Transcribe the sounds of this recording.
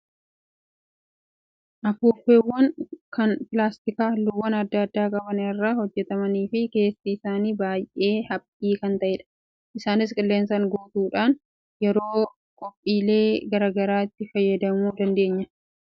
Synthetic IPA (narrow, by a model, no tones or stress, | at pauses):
ʔɐfuːfeːwːɐŋkɐnpɪlaːst̪ɪkaːlʊwːɐnɐd̪ːɐːd̪ːaːkʼɐbɐnɪrːahɔd͡ʒːɛt̪ɐmɐniːfɪke̞ːsːiɪsaːniːbaːjʔe̞ːhɐpʼːiːkɐnt̪ɐʔɛᶑɐ̥ | ʔɪsaːnɪskʼɪlːeːns̬ɐŋɡoːt̪uːᶑaːn | jɛɾo̞ː | kʼɔpʼːiːle̞ːɡɐɾaːɡɐɾaːɪt̪ːɪfɐjːɐd̪ɐmuːd̪ɐnd̪e̞ːɲːɐ